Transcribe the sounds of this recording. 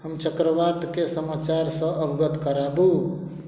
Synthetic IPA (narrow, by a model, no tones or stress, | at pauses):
həmt͡ʃəkɾəʋad̪kesəmat͡ʃaɾsə̃əbɡət̪kəɾabu